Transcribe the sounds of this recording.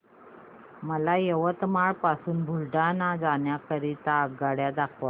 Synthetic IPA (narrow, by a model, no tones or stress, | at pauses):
məlajeʋət̪maɭpasuːnbʱulɖanad͡zaɳjakəɾit̪aːɡɡaɽjad̪akʰʋa